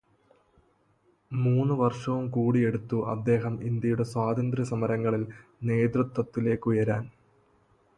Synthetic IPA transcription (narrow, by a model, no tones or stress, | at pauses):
muːnːɨʋɐrʂɐʋumkuːɽie̞ɽut̪ːuʔɐ̰d̪ːe̞ːɦɐmind̪jɐjuɽe̞swaːd̪ɐnd̪ɾɐsɐmɐɾɐŋːɐɭilne̞ːd̪rɨt̪wɐt̪ːile̞ːkːujɐɾaːn